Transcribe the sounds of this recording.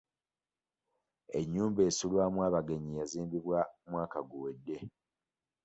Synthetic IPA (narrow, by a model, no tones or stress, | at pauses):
e̞ɲːuːmbe̞ːsulwaːmwaːβaɡe̞ɲijaziːmbiβwamwaːkaɡuwedːe̞